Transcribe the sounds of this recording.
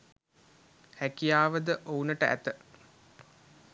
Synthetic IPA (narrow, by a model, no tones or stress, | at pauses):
hækijaːʋəd̪əʔounəʈəʔæ̰t̪ə